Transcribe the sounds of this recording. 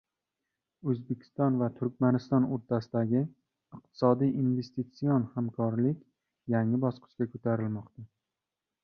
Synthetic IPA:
ɵzbekʲʰɪ̥st̪ɒnvat̪ʰʊɾk̚ʲmanɪst̪ɒnoɾt̪ʰasɪd̪aɡʲɪ | ɪq̚t̪ʰɪ̥sɒd̪ijinve̞st̪it̪sijonhamkʰɒɾlɪkʲ | jaŋɪbɒsqʰɨ̥ʃkʲakʰɵt̪ʰaɾɪlmɒqt̪a

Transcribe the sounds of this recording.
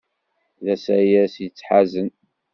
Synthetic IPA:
ðæsæjæsjət͡sːħazən

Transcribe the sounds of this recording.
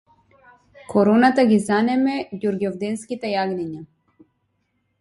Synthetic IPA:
kɔɾɔnat̪aɡizanɛmɛɟuɾɡɔvd̪ɛnskit̪ɛjaɡnɛɲa

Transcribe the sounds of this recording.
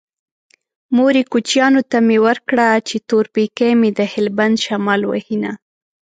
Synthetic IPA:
moɾikut͡ʃjɑnot̪amewəɾkɽat͡ʃet̪oɾpekemed̪əhɪlband̪ʃamɑlwə̰hina̰

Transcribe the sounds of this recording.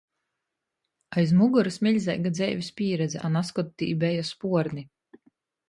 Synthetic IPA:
ajzmuɡuɾɨsmʲiʎʲzɛ̰jɡad̪zɛjvʲispʲiːɾɛd̪zɛʔanaskɔt̪ːḭːbɛjaspuɔɾni

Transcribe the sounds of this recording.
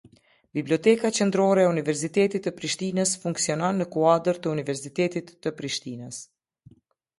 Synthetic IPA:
bibliɔt̪ɛkat͡ʃɛnd̪ɾɔɾɛːunivɛɾs̬it̪ɛt̪it̪ːəpɾiʃt̪inəsfuŋksiɔnɔnːəkuad̪əɾt̪əunivɛɾsit̪ɛt̪it̪ːəpɾiʃt̪inəs

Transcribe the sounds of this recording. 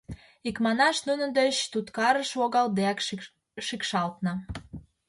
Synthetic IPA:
ikmɑnɑʃnunəd̪et͡ɕt̪ut̪kɑɾəʃvoɣɑld̪eæk | ʃikʃɑlt̪nə

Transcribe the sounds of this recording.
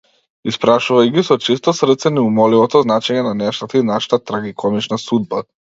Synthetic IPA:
ispɾaʃuvaiɡisɔt͡ʃist̪ɔsr̩t̪sɛnɛumɔlivɔt̪ɔznat͡ʃɛɲɛnanɛʃt̪at̪ainaʃḁt̪at̪ɾaɡikʰɔmit͡ʃnasud̪̚ba

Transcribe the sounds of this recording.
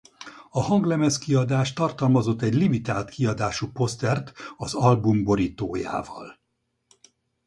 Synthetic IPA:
ɒhɒŋɡlɛmɛskiɒd̪aːʃt̪ɒrt̪ɒlmɒzo̞t̪ːɛɟlimit̪aːlt̪kiɒd̪aːʃupo̞st̪ɛrt̪ɒzɒlbumbo̞ɾiːt̪o̰ːja̰ːvɒ̰l

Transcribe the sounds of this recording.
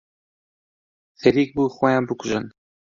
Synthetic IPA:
fɛɾiːk̚buːxʷɛjɑ̃ːnbɨkʊʒɨn

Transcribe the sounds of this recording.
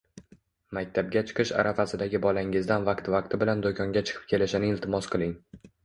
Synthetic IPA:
mak̚ʲt̪ʰab̚ɡʲat͡ʃʰɨ̥qʰɨʃa̰ɾʔafasɪd̪aɡʲɪbɒlaŋɪzd̪anvaqt̪vaq̚t̪ʰɪbɪland̪okʰɒŋɡʲat͡ʃʰɨ̥qʰɨ̥p̚kʲʰe̞lɪʃɪnɪɪlt̪ʰɪmɒsqʰɨlˠɪŋ

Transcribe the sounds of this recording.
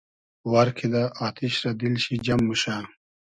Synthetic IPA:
waɾkʰid̪aʔaːt̪ʰiɕɾad̪ilɕid͡ʑɐmːuɕaː

